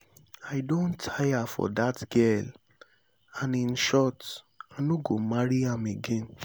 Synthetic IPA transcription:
aɪdõntʰajafɔ̰datɡɛl | ãnĩnʃɔt | anũɡomaɾiãmeɡẽn

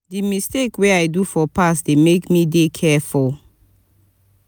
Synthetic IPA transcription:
dimistekweajdufɔpasdemekmidekʰɛful

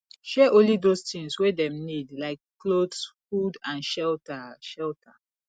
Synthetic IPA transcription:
ʃɛʔõnlidostĩŋswedɛ̃mnidlaɪkːlodsfudãnʃɛltəʃɛltʰə

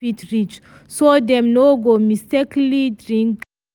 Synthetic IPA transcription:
itɹit͡ʃ | sodɛ̃mnoɡomistɛklidɹĩŋk

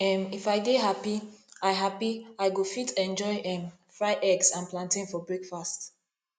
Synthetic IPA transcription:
ɛ̃mifaɪdeɦapiaɪɦapiaɪɡofitɛ̃nd͡ʒɔɪʔɛ̃m | fɹaɪʔɛɡsãnplãntĩnfɔbɹekfast

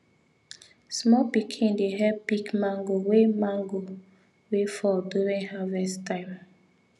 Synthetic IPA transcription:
smɔpikʰĩndeɦɛpikmãŋɡowemãŋɡo | wefɔduɾĩŋhavɛstãɪ̃m

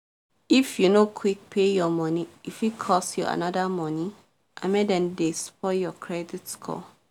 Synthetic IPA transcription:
ifjunokʰwik̚pʰejɔmɔ̃niifikʰɔsjua̰nɔdamɔ̃ni | ʔã̰mẽdɛ̃ndespɔjɔkʰɹɛditskʰɔ̰

